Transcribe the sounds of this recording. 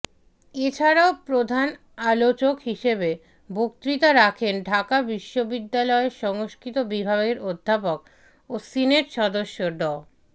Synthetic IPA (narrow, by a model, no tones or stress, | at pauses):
et͡ɕʰaɾaopɾod̪ʱan | alot͡ɕokɦiʃebe | bok̚t̪ɾit̪aɾakʰenɖʱakabiʃːobid̪ːalɔeʃɔŋoskʰit̪obibʱaɡeɾod̪ʱːapok̚ | osineɾʃɔd̪oʃːoɖɔ